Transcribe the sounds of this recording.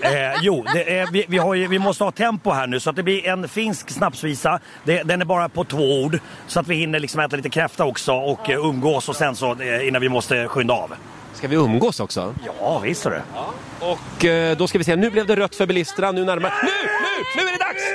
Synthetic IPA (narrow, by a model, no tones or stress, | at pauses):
juːd̪ɛʔvɪvɪɦaɾjɵvɪmɔst̪əhɑːt̪ʰɛmpʊɦæːɳʉ̟ːsɔat̪̚d̪ɛblɪɾɛnfɪnsksnapsviːsa | d̪ɛd̪ɛnæɾbɑːɾapʰɔt̪ʰvoːuːɖ | sɔat̪vɪhɪn̪ːəɭɪksɔmɛːt̪aliːt̪əkʰɾɛft̪aɔksɔɔkːɵmːɡoːsɔsɛnsɔɪnːanvɪmɔst̪əɧʏnd̪aɑ̰ːv | skavɪɵmːɡoːsɔksɔ̰jɑːvɪst̪sɔɖɛ̰ | ɔkːd̪ɔskavɪs̬eːnʉ̟ːblɛvd̪ɛɾœt̪ːfœɾbɪlɪst̪əɳanʉ̟ːnæɾmaɾnʉ̟ːnʉ̟ːnʉ̟ːæɖɛd̪aks